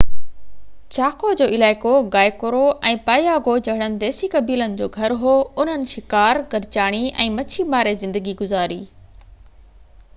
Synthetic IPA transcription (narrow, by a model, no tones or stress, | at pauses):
t͡ɕaːkod͡ʑoːɪlaːɪkoɡaːjkoɾoʔɛ̃ːpaːjaːɡod͡ʑɐɦɪɽ̃ənɪ̆d̪ɛːsikɐbiːlənɪ̆d͡ʑoːɡʱɐɾɦoːʊn̤ənɪ̆ʃɪkaːɾɡɐɾt͡ɕaːɽ̃iɛ̃ːmɐt͡ɕʰimaːɾezɪ̃nd̪əɡiɡʊzaːɾiː